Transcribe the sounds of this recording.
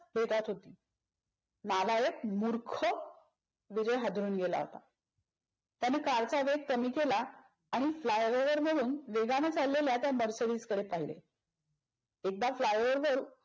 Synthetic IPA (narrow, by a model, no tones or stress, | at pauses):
bʱeʈat̪ɦot̪iː | nalajəkmuɾkʰə | ʋid͡ʑəjɦad̪ʱɾuːnɡela̰ɦo̰t̪a | t̪janekaɾt͡saʋeɡ̚kəmiːkelaː | ɽ̃iflajʋəɾʋəɾməɽuːnʋeɡamet͡salːeljat̪jaməɾsəɽiːskəɽepaɦilḛ | ek̚d̪aflajʋəɾʋəɾ